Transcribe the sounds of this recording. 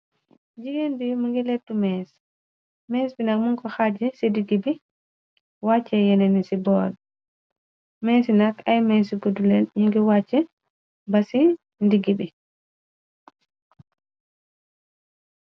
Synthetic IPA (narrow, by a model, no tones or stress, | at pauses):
d͡ʒiɡendimuŋɡɛletːumɛs | mɛsbinakmuŋkɔhad͡ʒɛsidiɡibi | wat͡ʃːɛjɛnenisibɔd | mɛsinakajmɛsiɡudulɛnjiŋɡɛwat͡ʃːɛ | basi | ndiɡibi